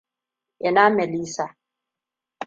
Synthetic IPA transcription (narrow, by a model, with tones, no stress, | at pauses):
ɛ˨na˦mɛ˨li˦sa˨